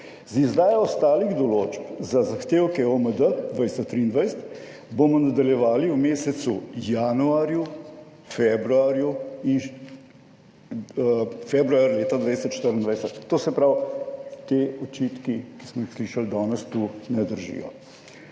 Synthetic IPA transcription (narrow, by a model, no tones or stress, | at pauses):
zizd̪aːjɔɔst̪aːliɣd̪ɔloːt͡ʃpzazaxt̪eːwkɛoməd̪əd̪ʋajst̪ɔt̪ɾiːnd̪ʋajsət̪ | bomɔnad̪aljɛʋaːliwmeːsɛt̪sujanuaːɾju | fɛbɾuaːɾjuin | fɛbɾuaɾleːt̪ad̪ʋajsɛt̪ʃt̪əɾənd̪ʋajsɛt̪ːoːsɛpɾawt̪eːɔt͡ʃiːt̪kiki̥smɔixsliːʃald̪ɔːnɛst̪unɛd̪əɾʒḭjɔ̰